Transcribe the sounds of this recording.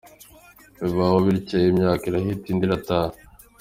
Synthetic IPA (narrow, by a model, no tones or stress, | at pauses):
βiβawoβiɾicejimɲaːkiɾahitiːndiɾataː